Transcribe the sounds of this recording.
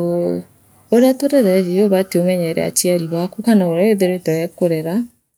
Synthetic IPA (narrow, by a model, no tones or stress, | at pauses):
oɾeatoɾɛðɛðioβateomɛɲɛɾɛ̰a̰tiaɾiβwakukanaoɾaeðeɾetɔjɛkoɾɛɾa